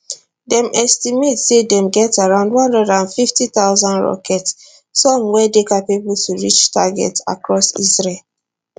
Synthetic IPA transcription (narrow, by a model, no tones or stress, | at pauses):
dɛ̃mʔɛstimetsedɛ̃mɡɛtaɹãʊ̃ndw̃ɔ̃ndɔdãnfiftit̪aʊzãndɹɔ̰kɛts | sɔ̃mwɛdekapebultʰuɹit͡ʃtaɡɛ̰ta̰kɹɔsḭsɹel